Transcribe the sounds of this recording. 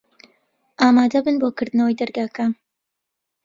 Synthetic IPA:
ʔaːmaːd̪ɐbɨnboːkɨɾd̪ɨnɐwɐjd̪ɐɾɡaːkʰaːn

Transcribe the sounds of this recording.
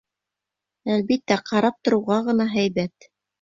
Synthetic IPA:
ælβit̪ːæqɑɾɑp̚t̪ŏɾɤ̆wʁɑʁɤ̆nɑɦæjβæt̪

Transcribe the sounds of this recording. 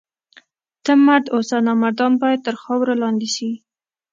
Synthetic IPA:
t̪əmːaɾd̪osanɑmaɾd̪ɑnbɑjad̪̚t̪əɾxɑwɾalɑnd̪ɪʃi

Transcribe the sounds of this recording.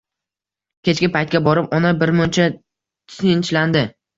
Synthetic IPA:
kʲe̞t͡ʃkʲɪpajt̪̚kʲabɒɾɪpɒnabɪɾmʊnt͡ʃʰa | t̪ʰɪnt͡ʃland̪ɪ

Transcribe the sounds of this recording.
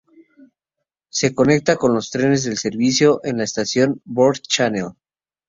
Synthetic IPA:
se̞ko̞ne̞k̚t̪ako̞nlo̞st̪ɾe̞ne̞zðe̞lse̞ɾβisjo̞ʔenlaest̪asjo̞nboɾd̪t͡ʃanel

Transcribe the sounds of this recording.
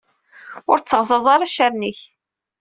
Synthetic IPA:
ʊɾt͡sːəʁzˤɑzˤɑɾˤɑʃaɾniç

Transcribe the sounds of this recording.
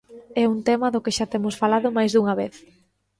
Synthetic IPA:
ɛunt̪ɛmɐðʊkɪʃat̪emʊsfalaðʊmajzðuŋɐβeθ

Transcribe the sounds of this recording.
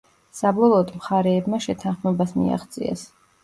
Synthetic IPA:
sabɔlˠɔːd̪mχaɾɛːbmaʃɛt̪ʰanχmɛbasmḭa̰χt̪sʼḭɛ̰s

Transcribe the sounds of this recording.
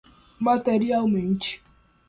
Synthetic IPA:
mateɾialmen̩t͡ʃi̥

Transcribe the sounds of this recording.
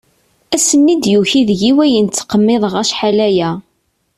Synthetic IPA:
æsənːid̪juçiðʝiwæjənt͡sːqəmːɪðˤəʁæʃħalæjæ

